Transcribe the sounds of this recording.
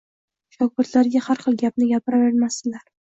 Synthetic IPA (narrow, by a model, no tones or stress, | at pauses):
ʃɒk̚bʊɾt̪laɾɡʲahaɾχɨlˠɡʲapnɪɡʲapɪɾaveɾmasɪlaɾ